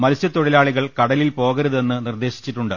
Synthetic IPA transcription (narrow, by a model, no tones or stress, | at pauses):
mɐlsjɐt̪ːoɽilaːɭiɣɐɭkɐɽɐlilpo̞ːɣɐɾuðe̞nːɨnird̪e̞ːɕi̥t͡ɕːiʈːuɳɖɨ